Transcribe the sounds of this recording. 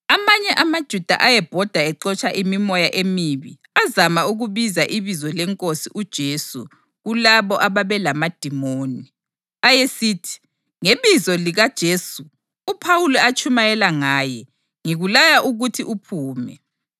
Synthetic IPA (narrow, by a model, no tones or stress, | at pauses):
amaɲɛʔamad̥ʒ̥ʱud̥ʱa̰ʔajɛb̥ʱɔd̥ʱaɛǃɔt͡ʃʼaʔimimɔjaʔemiβḭ | azamauɣuβizaʔiβizɔlɛŋkʼosiʔud̥ʒ̥ʱesṵ | ɣulaβɔʔaβaβɛlamad̥ʱimoːni | ajesitʰi̥ | ŋeβizɔliɣad̥ʒ̥ʱeːsu | upʰawulɛat͡ʃʰʼumajɛlaŋaːjɛ | ŋiɣulajaʔuɣutʰiʔupʰuːmɛ